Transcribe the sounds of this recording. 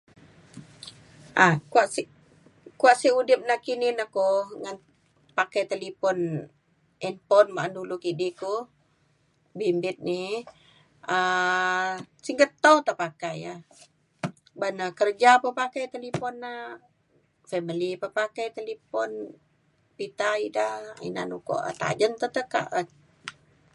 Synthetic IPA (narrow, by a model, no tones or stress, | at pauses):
ʔakuaʔsi | kuaʔsiudɪp̚nakininakɔŋan | pakajt̪elipɔn | ʔɛnpɔnmaʔandulukidiku | bimbɪt̪̚ni | ə | siŋkət̪ːəwt̪əpakajah | banakərd͡ʒapəpakajt̪elipɔnːah | fɛməlipəpakajt̪elipɔn | pit̪aidaḭnanukɔ̰ʔt̪a̰d͡ʒənt̪ət̪əka̰ʔə